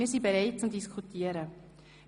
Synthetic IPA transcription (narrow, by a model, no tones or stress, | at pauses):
ɪːsibeɾaɪt̚t͡sʊmdiskʰutiəɾə